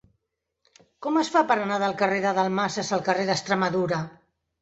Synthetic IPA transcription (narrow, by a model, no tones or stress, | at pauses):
kɔməsfapəɾənaðəlˠkəreðəðəlˠmasəsəlˠkəreðəst̪ɾəməðuɾə